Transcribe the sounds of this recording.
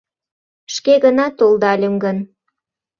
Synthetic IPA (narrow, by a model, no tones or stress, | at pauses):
ʃkeɣənɑt̪old̪ɑlʲəmɡən